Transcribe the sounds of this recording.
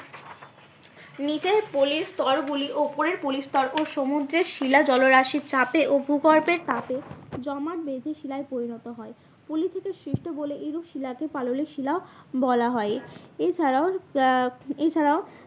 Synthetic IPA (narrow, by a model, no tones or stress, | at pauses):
nid͡ʑeɾpoliɾst̪ɔɾɡuliʔopoɾeɾpolist̪ɔɾʔoʃomud̪ɾeɾʃilad͡ʑɔloɾaʃiɾt͡ɕapeʔobʱuɡɔɾpeɾt̪aped͡ʑɔmaʈbed̪ʱeʃilaepoɾinɔt̪oɦɔe | polit̪ʰekeʃɾiʃʈoboleʔeɾuʃilakepaloliʃilaobɔlaɦɔeet͡ɕʰaɾao | et͡ɕʰaɾao